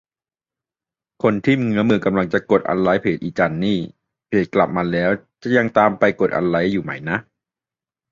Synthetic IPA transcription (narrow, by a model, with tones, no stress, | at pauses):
kʰo˧nt̪ʰi˥˩mŋɯ˦˥ɐmɯː˧ka˧mla˧ŋt͡ɕa˨˩ko˨˩t̪̚ʔa̰˧nla˦˥jpʰeː˨˩t̪̚ʔiː˨˩t͡ɕa˧nːiː˥˩ | pʰeː˨˩t̪̚kla˨˩p̚maː˧lɛː˦˥wt͡ɕa˨˩ja˧ŋt̪aː˧mpa˧jko˨˩t̪̚ʔa̰˧nɾa˦˥jːuː˨˩ma˦jna˦˥ʔ